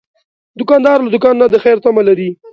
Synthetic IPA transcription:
d̪ʊkɑnd̪ɑɾlad̪ʊkɑnːad̪əxajɾt̪amalaɾi

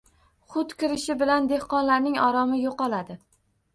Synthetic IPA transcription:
χʊt̪kʲɪɾɪʃɪbɪland̪e̞hqɒnlaɾnɪŋɒɾɒmɪjoqɒlˠad̪ɪ

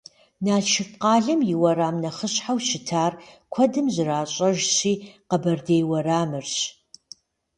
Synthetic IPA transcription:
naːʃʰɪfqɑːɮɨmjɪwɐɾaːmnɐχəɕħawʃɪtʰaːrkʷʰɐdɨmʑɨraːɕʼɐʒɕiːqəbɐrdejwɐraːmɨrɕ

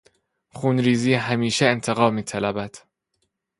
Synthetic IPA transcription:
xuːnɾiːziːɦæmiːʃeent̪ʰeɣɒːmiːt̪ʰælæbæd̪̥

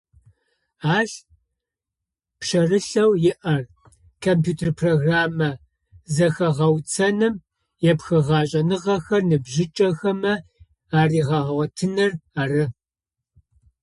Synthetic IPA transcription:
aːɬ | pɕɐrɨɬɐwjɪʔɐr | kʰompʰjuːtʰerpʰroɣraːmɐ | zɐxɐʁɐwt͡sʰɐnɨm | jɛpxɨʁɑːɕʼɐnɨʁɐxɐrnɨbʑɪt͡ʃʼɐxɐmɐ | aːriːʁɐʁɐwɐtʰɨnɐraːrɨ

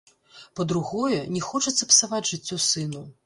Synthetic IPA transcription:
pɐd̪ɾuɣɔjɛnʲɛxɔt͡ʂɐt̪sːɐpsavad͡zʲʐɨt͡sʲːɔsɨnu

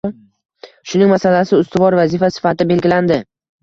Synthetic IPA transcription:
ʃʊnɪŋmasalasɪʊst̪ɪvɒɾvazɪfasɪ̥fat̪ɪbe̞lɡʲɪland̪ɪ

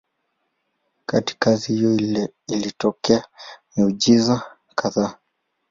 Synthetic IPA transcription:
kati̥kazihijɔilitɔkɛaniuʄiza | kʰaðaː

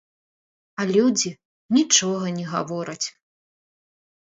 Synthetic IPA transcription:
ɐlʲud͡zʲi | nʲit͡ʂɔɣɐnʲɛɣa̰vɔɾɐt͡sʲ

